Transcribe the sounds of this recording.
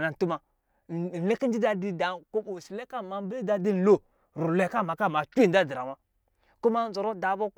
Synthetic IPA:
na˨n˨tu˦ma˨ | n̩˨le˦ki˦n˦d͡ʒi˦da˦di˦da˨ko˦bo˨si˨le˦ka˦˨ma˨˦bi˦da˦di˦n̩˨lo˦ | ɾu˨le˨ka˦˨ma˨ka˦˨ma˨t͡ʃda˦di˨ɾa˨wa˦ | ku˦ma˦n̩˦zo˨ɾo˦da˨˦bo˦

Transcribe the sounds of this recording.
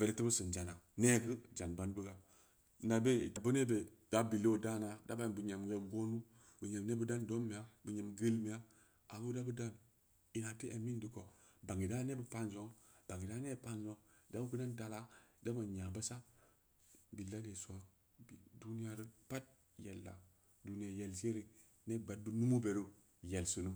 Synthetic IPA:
ve˨ɾe˨ti˦bu˦sɨ˨nd͡ʒa˨na˨ne˦ɡɨ˦d͡ʒa˨nba˦nbə˦ɡa˨ | na˨be˦i˨ta˨bu˦ne˦be˨ | d̥a˦bi˨lo˦˨da˦na˨da˦ba˦˨bu˨ɲe˨mwe˨ɡo˦nu˦ | bu˨ɲe˨mne˦bu˦da˦ndo˦mːi˨a˦bu˨ɲe˨mɡe˦lmi˨ja˦ | a˨ɡu˦da˦bu˦da˦n | i˨na˨ti˦ʔe˨mi˦n˦di˨ko˨ | ba˨ŋɡi˨da˦ne˦bu˦pa˦nzo˦ŋb̥a˨ŋɡi˨da˦ne˦˨pa˦nzo˦da˦bu˦ku˦da˦nda˨la˦da˦bo˨ɲa˨ba˦sa˦ | bi˨lːa˦de˨so˦˨ | du˦ni˦ja˦ɾi˦pa˦t̚ | je˨lːa̰˨ | du˨ni˦a˨je˨lse˦ɾi˨ | ne˦˨ba˨t̚bu˦nu˦mu˦be˨ɾu˦ | je˨lsu˨nu˦

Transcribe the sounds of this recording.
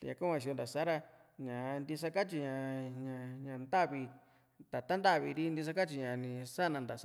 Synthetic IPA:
t̪a˧ɲã˧ku˦ã˧˨ʃ̬o˧nd̪a˨sa˦ɾa˧ | ɲã˨˧nd̪i˧s̬a˧ka˦t͡ʃi˧ɲã˧˨ɲã˧ɲã˨nd̪a˦βi˧ | t̪a˨t̪a˦nd̪a˦˨βi˧ɾi˦nd̪i˧s̬a˦ka˦t͡ʃi˧ɲã˨nĩ˧sa˦nã˧nd̪a˨˦

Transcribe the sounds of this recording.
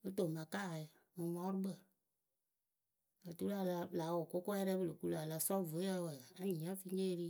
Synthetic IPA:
ə˦to˨mã˨ka˦˨ | mɨ̃˨mɔ̃˦ɾu˦bə˦˨ | ə˨tu˦la˦˨la˧la˨˦wo˨ko˦ko˦ɛ˦ɾɛ˦bə˦lo˨ku˦la˨la˧˨sɔ˦˨və˨˦a˦wə˨a˦ɲĩ˨ã˦fi˦ɲe˦˧ɾi˦

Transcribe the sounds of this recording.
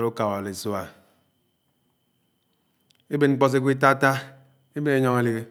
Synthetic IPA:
ɾu˦ka˨wa˨le˨so˦a˨ | e˦be˨nŋ͡m̩˦k͡pɔ˦s̬e˦kʷi˦t̬a˦ta˦ | e˦be˦e˦ɲɔ˦ŋe˨li˨ɣe˨

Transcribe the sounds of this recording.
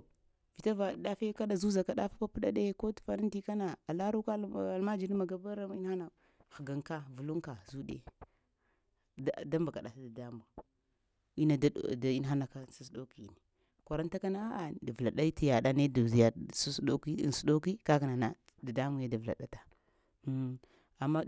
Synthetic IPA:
vi˨ta˦va˨ɗa˦fi˦ka˦ɗa˨zu˦za˨ka˨ɗa˦fa˦ka˦pu˦ɗa˦ɗe˦ko˦tfa˨ni˦nti˦ka˦na˨a˨la˦ɾu˦ka˦a˨lma˦d͡ʒi˨ɾi˦ma˨ɡa˦ba˦ɾa˦i˦n˦ha˦na˨ | xa˨ɡa˨ŋka˦vu˨lu˦ŋka˨zu˦ɗḛ˨ | da˦mba˨ka˨ɗa˨ta˦da˨da˦mba˨ | i˦na˨da̰˦˨da˨i˦n˦ɦa˦na˨ka˨sa˦s̬do˦ki˨ni˨ | kʷa˨ɾa˦n˦ta˦ka˦na˦a˦a˨da˨vla˨ɗa˦ti˦ja˨ɗa˦ne˦dzi˨ja˨su˦sɗo˦kḭ˦˨n˨su˦ɗo˦ki˦ka˦ka˨na˨na˦ | da˨da˦mu˨ja˦da˨vla̰˨ɗa̰˨tḁ˨˦˨ | a˨mːa˦

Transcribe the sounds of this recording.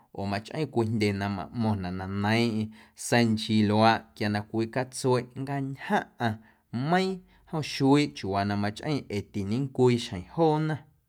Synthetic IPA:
ʔo̰˨mã˧t͡ʃʔə̰̃˦kʷiː˧ndʲe˧˨nã˧mã̰˨ʔmõ˧nã˨ʔnã˧nə̃˨˦ʔĩ˧sə˧nt͡ʃi˧lo˨a˧ʔkja˧nã˧kʷiː˧˦ka˦t͡swe˦˧ʔŋ˦ɡa˧ɲhã˦ʔã˧ | mə̃˦ĩ˦ | hõ˦˨ʃu˧˦i˦˨ʔt͡ʃu˨wa˨nã˧mã˧t͡ʃʔə̃˦˧ʔe˨t̪i˨nĩ˦ŋkʷiː˦˧ʃhə̃˨j̃hoː˦˨nã˦

